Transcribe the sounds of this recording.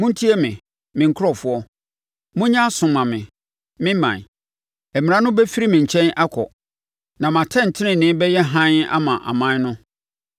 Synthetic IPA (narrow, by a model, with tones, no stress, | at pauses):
mʊ̃˦n̩˦tʰi˦ɛ˦mɪ̃˨ | mɪ̃˨ŋ̩˦kʰɾɔ˦˨fʊ˦ɔ˦ | mʊ̃˦ɲã˦sʊ̃˨mã˨mɪ̰̃˨ | mɪ̃˦mã̰˨n˨ | ɛ˨mĩ˨ã˦nʊ̃˦bɛ˦fi˦ɾi˦mɪ̃˨ɲ̩˨t͡ɕʰɛ̃˦nʔa˦kʰɔ̰˨ | nã˨mã˨tʰɛ̃˦˨n̩˨tʰɪ˦nɪ̃˨nɪ̃˨˦bɛ˦jɛ˦ɦã˦na̰˦mã˨ʔa̰˨mã˦nʊ̃˦